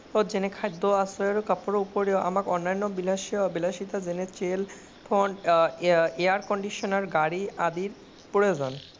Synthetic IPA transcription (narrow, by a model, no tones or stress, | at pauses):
od͡ʑenekʰajd̪oasɾajoɾokapoɾoupoɾeoʔa̰makɔnːajnːobilaʃbilaʃit̪ad͡ʑenet͡ɕel | fʰoɳɖ | eaɾkɔɳɖiʃonaɾɡaɽiad̪iɾ | pɾood͡ʑon